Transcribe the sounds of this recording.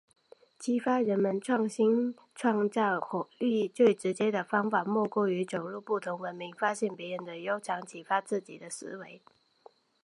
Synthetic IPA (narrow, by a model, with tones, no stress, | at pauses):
t͡ɕʰi˥fa˥ɻə˧˦˥nmə˧nʈ͡ʂʰwɑ˥˩ŋɕi˥n | ʈ͡ʂʰwɑ˥˧ŋt͡sɑ˥˩ʊxɔ˨˩y˥i˥˧t͡swe˥˩ɪʈ͡ʂɻ̩˧˥t͡ɕjɛ˥d̪ə˨fɑ˥ŋfa˨˩mwɔ˥˧kwɔ˥˩y˧˥ʈ͡ʂo˨˩ʊɻu˥˧pu˥˩t̪ʰʊ˧˥ŋwə˧˥nmi˧˥ŋfa˥ɕjɛ˥˩npjɛ˧˥ɻə˧˥nd̪ə˨jo˥ʊʈ͡ʂʰɑ˧˥ŋt͡ɕʰi˨˥˩fa˥t͡sɹ̩˥˩t͡ɕḭ˨˩d̪ə˦sɹ̩̰˧˥we˧˥ɪ